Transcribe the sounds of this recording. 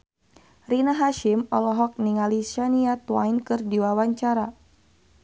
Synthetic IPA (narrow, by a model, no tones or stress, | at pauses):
rinaɦaʃɪmɔlɔɦɔk̚niŋaliʃaniat̪wajnkɨrdiwawaɲt͡ʃaɾa